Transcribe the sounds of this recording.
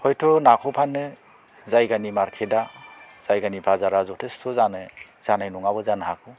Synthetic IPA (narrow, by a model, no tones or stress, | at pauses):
hɔjtʰɔnakʰɔpʰanːɯ | zajɡanimaɾkʰeda | z̥ajɡanibʰazaɾazɔtʰestʰɔzanɯ | z̥anajnɔŋabɯzanhakʰɔ